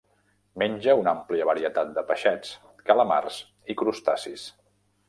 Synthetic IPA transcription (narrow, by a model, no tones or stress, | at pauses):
menʲd͡ʒəunampliəβəɾiət̪at̪̚d̪əpəʃɛt͡s | kələma̰rs | ikɾust̪asis